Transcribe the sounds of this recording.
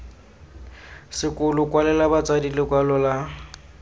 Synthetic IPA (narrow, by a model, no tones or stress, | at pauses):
sɪkʊlʊkwalɛlabat͡sʼadilɪkwalɔla